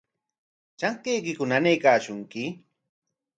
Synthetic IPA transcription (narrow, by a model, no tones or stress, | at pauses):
t͡ʃaŋkejkɪkʊnanejkaːʃʊŋkɪ